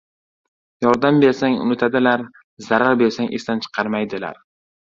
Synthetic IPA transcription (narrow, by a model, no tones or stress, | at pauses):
jɒɾd̪ambe̞ɾsaŋʊ̰nɪt̪ʰad̪ɪlaɾ | zaɾaɾbe̞ɾsaŋʔest̪ant͡ʃʰɨ̥qʰɑɾmajd̪ɪla̰ɾ